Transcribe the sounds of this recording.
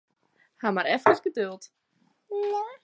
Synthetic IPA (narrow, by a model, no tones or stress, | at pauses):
hamaɾɛfkəsɡədølˠt | ja